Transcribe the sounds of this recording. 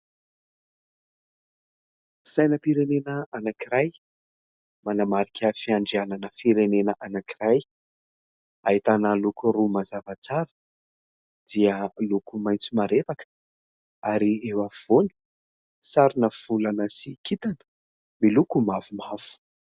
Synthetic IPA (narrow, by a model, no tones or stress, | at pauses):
sajnəpiɾenenəanakiɾaj | manamaɾikʲʰəfiaɳɖ͡ʐiananəfiɾenenəʔanakiraj | ait̪anəlukurumazavat͡saɾə̥ | d̪̥iəlukumajnt͡sumaɾet̪akə̥ | aɾiewav̥oni̥ | saɾinəv̥ulanəsikʰit̪anə̥ | milukumavumav̥u̥